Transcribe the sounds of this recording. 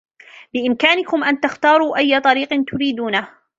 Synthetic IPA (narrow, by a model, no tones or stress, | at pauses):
bɪʔɪmkaːnɪkʊmʔant̪axt̪ɑːɾˤuːʔajːat̪ˤɑɾiːqnt̪ʊɾiːd̪uːna